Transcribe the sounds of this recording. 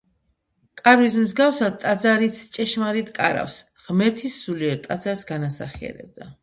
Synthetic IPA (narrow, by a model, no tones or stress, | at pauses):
kʼaɾvis̬mzɡafsad̪̚t̪ʼad̪zaɾit̪sʰt͡ʃʼɛʃmaɾit̪ʰʼkʼaɾa̰fs | ʁmɛɾt̪ʰisːuliɛt̪ʼad̪zaɾsɡanasa̰χiɛ̰ɾɛ̰b̚d̪a